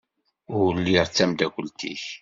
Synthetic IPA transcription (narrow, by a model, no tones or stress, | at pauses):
ʊəlːiʁt͡sːæmd̪ækʷəlt̪ḭç